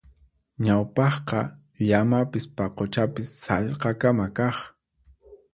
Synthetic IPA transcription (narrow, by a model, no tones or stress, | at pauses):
ɲawpɑχqɑ | ʎamapɪspaqot͡ʃapɪsːɑʎqɑkamakɑχ